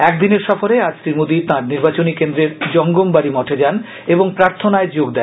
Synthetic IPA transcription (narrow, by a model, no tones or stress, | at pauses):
ɛkd̪ineɾʃɔfoɾead͡ʑt̪ɾiɾmod̪it̪ãɾniɾbat͡ɕonikend̪ɾeɾd͡ʑɔŋɡombaɾimɔʈʰed͡ʑan | eboŋpɾaɾt̪ʰonaed͡ʑoɡd̪ɛn